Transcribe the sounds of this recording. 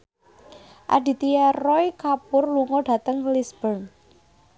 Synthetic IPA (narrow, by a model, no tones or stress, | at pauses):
ʔa̰d̥i̤t̪iɛrɔjkapʊrluŋɔɖ̥ä̤t̪əŋlisb̥ərŋ